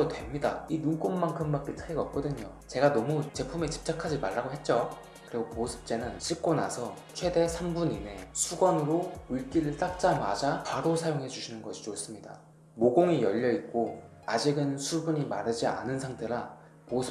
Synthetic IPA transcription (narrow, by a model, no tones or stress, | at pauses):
otwe̞mɲidainunk͈omːaŋkʰɯmbak͈e̞t͡ɕʰaiɡʌp̚k͈ʌdɯɲo | t͡ɕe̞ɡanʌmut͡ɕe̞pʰume̞t͡ɕi̥p̚t͡ɕ͈akʰad͡ʑimaɭːaɡoɦe̞t̚t͡ɕ͈o | kɯɾiɡoposʰɯ̥p̚t͡ɕ͈e̞nɯnɕʰip̚k͈ona̰sʰʌt͡ɕʰwe̞de̞sʰambuɲine̞sʰuɡwanɯɾouɭk͈iɾɯɭt͈ak̚t͡ɕ͈amad͡ʑakwaɾosʰajoŋɦe̞d͡ʑuɕʰinɯnɡʌɕʰi̥t͡ɕos͈ɯmɲida̰ | moɡoŋijʌʎːʌit̚k͈o | ad͡ʑiɡɯnsʰubuɲimaɾɯd͡ʑia̰nɯnsʰaŋtʰe̞ɾa | posʰɯ̥